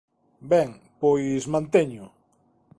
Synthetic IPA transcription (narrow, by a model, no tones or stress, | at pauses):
bɛŋpojsmãnt̪eɲʊ